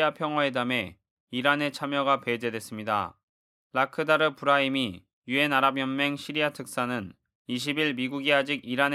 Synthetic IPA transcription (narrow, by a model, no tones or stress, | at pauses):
apʰjʌŋɦwae̞dame̞ | iɾane̞t͡ɕʰamjʌɡapwe̞d͡ʑe̞dwe̞s͈ɯmɲida̰ | lakʰɯdaɾɯpuɾaimi | jue̞naɾabjʌnme̞ŋɕʰiɾiatʰɯk̚s͈anɯn | iɕ̬ʰibiɭmiɡuɡiad͡ʑiɡiɾan